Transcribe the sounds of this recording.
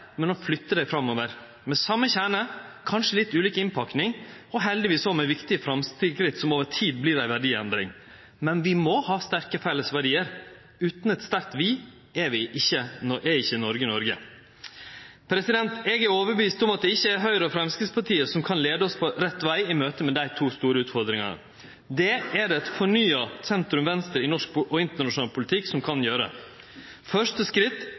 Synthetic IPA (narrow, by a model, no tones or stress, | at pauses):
mɛnɔflʏt̪ːəd̪æɪfɾɑmːoːʋəɾ | mɛsɑmːəçæːɳəkʰɑnʂəlɪt̪ːʉːliːkəɪnpʰɑknɪŋ | ɔɦɛld̪ɪʋiːsɔmɛʋɪkt̪ɪəfɾɑmst̪ʰɪlkɾɪt̪ːsɔmoːʋətʰiːd̪̚blɪɾæɪʋæɖiːɛ̰nd̪ɾɪ̰ŋ | mɛnʋɪmɔhɑːst̪æɾkəfɛlːəsʋæɖiːəɾ | ʉːt̪nɛt̪st̪æɾkt̪ʋiː | ɛʋɪʔɪçːənɔʔɛɾɪçːənɔɾɡənɔɾɡə̰ | pʰɾɛsɪd̪ɛnt̪ɛːɡæɾoːʋəɾbəʋiːst̪ɔmɑt̪̚d̪ɛɪçːəæɾɦœʏɾəɔfɾɛmskɪspɑʈʰiːəsɔmkʰɑnleːd̪əɔspʰɔɾɛt̪ːʋæɪɪmøːt̪əmɛd̪æɪt̪ʰuːst̪uːɾəʉːt̪fɔɾd̪ɾɪŋɑ̰nə̰ | d̪ɛæɾɛt̪fɔɳyːɑsɛnt̪ɾʉmʋɛnst̪əɾɪnɔʂk̚ʔɔɪnt̪əɳɑʂʊnɑːlpʰʊlɪt̪ʰɪkːsɔmkʰɑnjøːɾə̰ | fœʂʈəskɾɪt̪ː